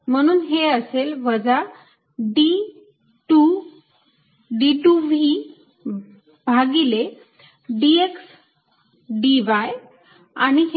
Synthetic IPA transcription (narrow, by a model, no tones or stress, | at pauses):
m̤əɽ̃uːnɦeəselʋəd͡za | ɖi | ʈu | ɖiʈuʋi | bʱaɡile | ɖieks | ɖiʋaj | aɽ̃iɦ